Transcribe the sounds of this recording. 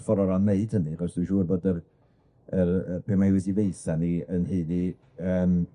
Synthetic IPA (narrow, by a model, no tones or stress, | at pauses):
fɔɾɔɾameɨd̥həniaχɔsd̥uʃuːrboːdər | ərb̥eːmajwɛdivejsaniənhiːni | əːm